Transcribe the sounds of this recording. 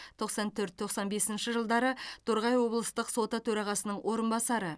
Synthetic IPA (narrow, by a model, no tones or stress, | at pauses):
t̪ʰo̞qsɑnt̪ʰɵɾt̪ʰːo̞qsɑnbe̞sɪnʃɪʒəlˠd̪ɑɾət̪ʰoɾʁɑjwo̞blˠəst̪əqso̞t̪ət̪ʰɵɾɑʁɑsənəɴwʔo̞ɾənbɑsɑɾə